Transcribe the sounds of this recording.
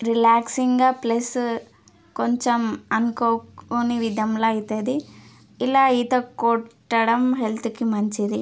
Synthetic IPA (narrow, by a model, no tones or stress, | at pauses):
ɾilaːksiŋɡaplɐs | koɲt͡ʃɐmɐnkoːoniʋid̪ɐmlait̪ɐd̪i | ilːɐit̪ɐkoʈːɐɽɐmɦelt̪ukːimɐɲt͡ʃid̪i